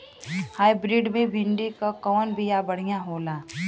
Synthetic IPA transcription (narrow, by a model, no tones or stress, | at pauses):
haːjbɾiːɖmẽbʱɪ̃ɳɖikakɔːnbijabɐɽ̤ijãɦoːlaː